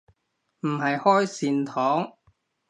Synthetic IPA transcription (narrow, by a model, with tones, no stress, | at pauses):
m̩˨˩hɐ˨jhɔː˥jsiː˨nt̪ʰɔː˨˥ŋ